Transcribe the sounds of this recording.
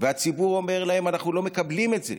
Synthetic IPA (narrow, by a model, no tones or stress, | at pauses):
veat͡sibuʁo̞me̞ʁlaɦe̞manaχnulo̞mekablimetze̞̰